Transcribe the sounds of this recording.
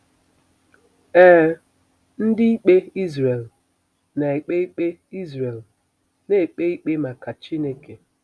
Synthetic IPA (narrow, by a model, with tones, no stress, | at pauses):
ɛː˦ | n̩˦dɪ˦i˦k͡pe˦i˦zɾe˨l | na˨e˨k͡pe˦i˦k͡pe˦i˦zɾe˨l | ne˦e˨k͡pe˦i˦k͡pe˦ma˨ka˨t͡ʃi˦ne˦ke˨